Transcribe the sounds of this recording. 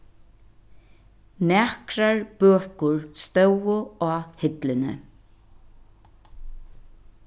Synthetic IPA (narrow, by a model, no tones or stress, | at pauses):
nɛːhkɾaɹb̥œːkʊɹst̪œwʊaːhɪt̪lɪnɪ̰